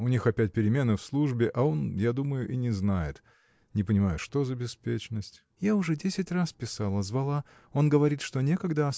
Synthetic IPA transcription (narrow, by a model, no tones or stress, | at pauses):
ʊnʲixɐpʲæt̚ʲpʲɪɾʲɪmʲe̞nɨfslˠuʐbʲɪʔao̞njad̪uməjʊʔinʲɪznajɪ̰t̪ | nʲɪpənʲɪmajʊʂt̪o̞zəbʲɪspʲet͡ɕnəsʲtʲ | jaʊʐɛdʲesʲɪtʲraspʲɪsalˠəzvɐlˠa | o̞nɡəvɐɾʲit̪ʂt̪o̞nʲe̞kɐɡd̪aɐ